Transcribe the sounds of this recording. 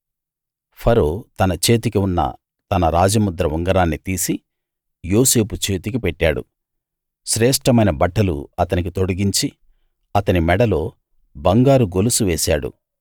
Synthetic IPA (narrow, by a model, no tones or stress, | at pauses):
pʰɐɾo̞ːt̪ɐnɐt͡ʃe̞ːt̪ikiunːɐ̰ | t̪ɐnɐɾaːd͡ʒɐmud̪ɾɐʋuŋɡɐɾaːnːit̪iːsi | jo̞ːse̞ːput͡ʃe̞ːt̪ikipɛʈːaːɽṵ | ʃɾɛːʂʈɐmɐjnɐbɐʈːɐlṵɐt̪ɐnik̬it̪o̞ɽɐɡiɲt͡ʃi | ɐt̪ɐnimɛɽɐlo̞ː | bɐŋɡaːɾuɡolusuʋeːsaːɽṵ